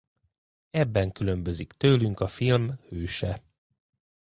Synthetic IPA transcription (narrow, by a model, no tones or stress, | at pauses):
ɛbːɛŋkylø̞mbø̞zikt̪øːlyŋkɒfilmhøːʃɛ